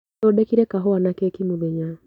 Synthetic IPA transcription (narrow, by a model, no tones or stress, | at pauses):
odekiɾɛkaɦoanakeːkimuðeɲa